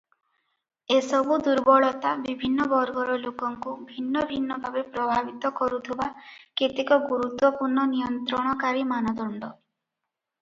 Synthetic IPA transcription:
esɔbud̪uɾbɔɭɔt̪abibʱinːɔbɔɾɡɔɾɔlokɔŋkubʱinːɔbʱinːɔbʱabepɾɔbʱabit̪ɔkɔɾut̪ʰebaket̪ikɔɡuɾut̪wɔpuɾɳɔnijɔnt̪ɾɔɽ̃ɔkaɾimanɔd̪ɔɳɖɔ

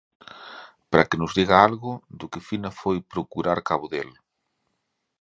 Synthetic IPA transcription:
pɾakɪnʊzðiɣaalɣʊd̪ʊkɪfinafojpɾokuɾaɾkaβʊðel

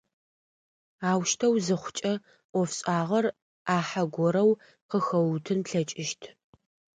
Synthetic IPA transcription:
aːwʃtʰɐwzɨχʷʊt͡ʃʼɐ | ʔʷɔfɕʼaːʁɐr | aːħaɡʷɔɾɐw | qəxɐwtʰɨnpɬɐt͡ʃʼɪʃtʰ

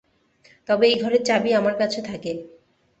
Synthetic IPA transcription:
t̪ɔbeejɡʱɔɾeɾt͡ɕabiamaɾkat͡ɕʰet̪ʰake

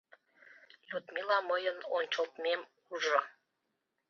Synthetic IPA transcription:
jut̪milɑməjənonʲt͡ɕə̆lt̪mem | uʒŏ

